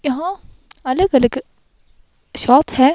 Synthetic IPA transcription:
jɐɦã | ɐləɡɐləɡ | ʃɔːt̪hɛː

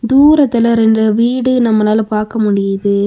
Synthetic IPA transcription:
d̪uːɾɐt̪ːɐlɐɾɛndɐʋiːɽɯnɐmːɐnaːlɐpaːɾkɐmʊɽɪjɐðɯ

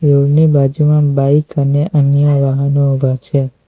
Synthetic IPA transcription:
joɡnibad͡ʒumãbaikəneʔənjəʋəɦənoubʱat͡ʃʰe

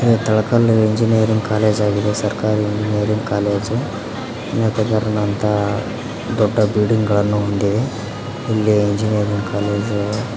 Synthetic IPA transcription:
ɾet̪ɐɭɐkɐleɲd͡ʒinijɐɾiŋɡkaːleːd͡ʒaːɡid̪esɐɾkaːɾiɲd͡ʒinijɐːɾiŋɡkaːleːd͡ʒ | nɐːt̪ɐɡɐɾɐnɐnt̪a | d̪ɔɖːɐbiːɖiŋɡɡɐɭɐnːuund̪i | ilːiiɲd͡ʒinijɐɾiŋɡkaːleːd͡ʒ

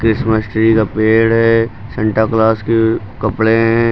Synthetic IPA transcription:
kɾɪsməsʈɾikapeːɽɦɛːsɛ̃ɳʈəɾklaːske | kɐpɽeɦɛ̃ː

